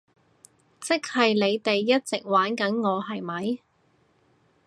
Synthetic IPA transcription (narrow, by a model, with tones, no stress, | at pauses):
t͡sɪ˥k̚hɐ˨jle˨˧jt̪e˨jːɐ˥t̚t͡sɪ˨k̚waː˨˥nkɐ˨˥nŋɔː˨˧hɐ˨˩jmɐ˨˥j